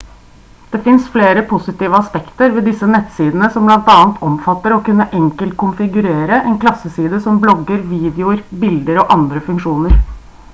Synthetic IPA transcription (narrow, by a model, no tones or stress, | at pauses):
d̪̥ɛfɪnsfleːɾəpʰʊsɪt̪iːʋəɑspɛkt̪əɾʋɛːd̪ɪsːənɛt̪siːd̪ən̩əsɔmblɑnt̪ɑːənt̪ʰɔmfɑt̪ːəɾɔkʉnːəʔɛŋkəlt̪̚kʰʊnfɪɡʉɾeːɾəʔɛnkʰlɑsəsiːd̪əsɔmblɔɡːəɾʋiːd̪ɛʊɾbɪld̪əɾɔʔɑnd̪ɾəfʉŋkʂuːnəɾ